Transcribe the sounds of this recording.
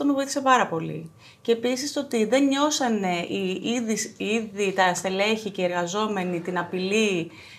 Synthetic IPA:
t̪omevo̞iθi̥se̞pɐɾɐpo̞lḭ | ceepisist̪o̞t̪iðe̞nɲo̞sɐne̞iiðisiðit̪ɐst̪e̞le̞çicee̞ɾɣɐzo̞me̞nit̪inɐpili

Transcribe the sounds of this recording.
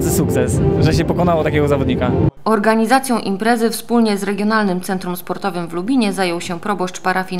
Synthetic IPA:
sɘsukt̪sɛsʐɛɕ̬ɛpɔkɔnawɔt̪akʲɛɡɔzavɔd̪ɲikaɔɾɡaɲizat̪sʲjɔ̃w̃ʔimpɾɛzɘfspulɲɛzɾɛɡʲjɔnalnɘmt̪sɛnt̪ɾumspɔɾt̪ɔvɘmvlubʲiɲɛzajɔwɕɛpɾɔbɔʂt͡ʂpaɾʔafʲi

